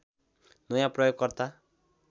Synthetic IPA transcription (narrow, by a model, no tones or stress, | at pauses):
nʌjapɾʌjoɡ̚kʌɾt̪a